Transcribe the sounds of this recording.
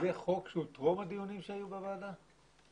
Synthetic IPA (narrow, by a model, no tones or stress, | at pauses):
eχokʃeut̪ʁomad̪ijunimʃeajubevaːd̪a